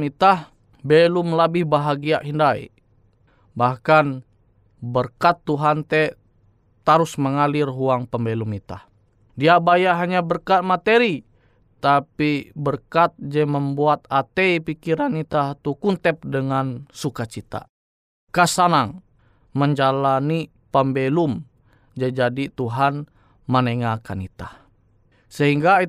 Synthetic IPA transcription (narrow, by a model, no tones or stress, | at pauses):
mit̪ah | bɛlumlabɪhbaɦaɡiaʔɦindaḭ | bahkan | bərkat̪ːuɦant̪ɛ | t̪aɾusməŋalirɦuaŋpəmbɛlumit̪ah | diabajaɦaɲabərkat̪̚mat̪eɾi | t̪apibərkat̪̚d͡ʒɛməmbuat̪̚at̪ɛipikiɾanit̪at̪ukunt̪ɛp̚dəŋansukat͡ʃit̪a̰ | kasanaŋ | məɲd͡ʒalani | pambɛlum | d͡ʒɛd͡ʒadit̪uɦan | məneŋakanit̪ah | səɦiŋɡai